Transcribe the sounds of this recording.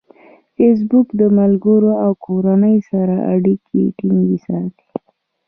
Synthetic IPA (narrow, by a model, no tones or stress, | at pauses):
fes̬bukd̪əmalɡəɾoawkʰoɾanəjsaɾaʔa̰ɽikʰḛʈiŋɡisɑt̪i̥